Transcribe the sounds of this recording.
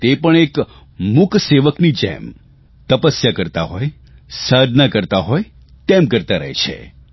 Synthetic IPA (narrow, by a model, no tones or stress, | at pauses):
t̪epəɳek | mʊkʰseʋəknid͡ʒḛm | t̪əpəsjakəɾt̪aɦɔj | sad̪ʱnakəɾt̪aɦɔj | t̪emkəɾt̪aɾə̰ɦet͡ʃʰḛ